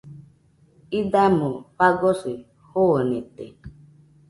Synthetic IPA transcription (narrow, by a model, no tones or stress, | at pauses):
idamopaɡɔsi | hoonete